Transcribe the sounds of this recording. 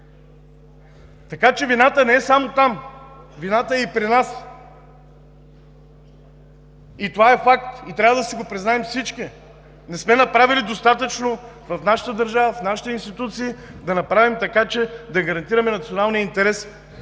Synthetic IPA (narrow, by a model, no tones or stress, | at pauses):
t̪ɐkat͡ʃɛvinat̪ənɛɛsamot̪am | vinat̪əɛipɾinas | it̪ovaɛfak̚t̪it̪ɾʲavəd̪ɐsiɡopɾiznaɛmfsit͡ʃki | nɛsmɛnɐpɾavilid̪ost̪at̪ət͡ʃnovɐfnaʃə̥t̪əd̪əɾʒavəfnaʃi̥t̪ɛinst̪it̪ut̪siːd̪ɐnɐpɾavimt̪ɐkat͡ʃɛd̪ɐɡɐɾɐnt̪iɾɐmɛnɐt̪sionalˠnijəint̪ɛɾɛs